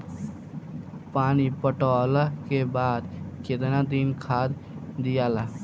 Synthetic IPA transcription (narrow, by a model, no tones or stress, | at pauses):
paːnipəʈələkebad̪ket̪nad̪inkʰad̪ | d̪ijala